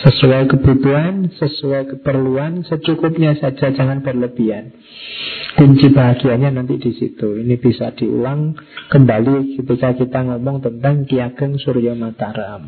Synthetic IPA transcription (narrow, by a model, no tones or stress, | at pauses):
səsuajkəb̥ut̪uɦansəsuajkəpərluansət͡ʃukʊp̚ɲasad͡ʒad͡ʒaŋanpərləbian | kuɲt͡ʃibaɦaɡiaɲanant̪idisḭt̪uinib̥isa̰d̥iṵlaŋkəmbalikət̪ikakit̪aŋɔmɔŋt̪ənt̪aŋkiaɡ̥əŋsuɾijamat̪aɾam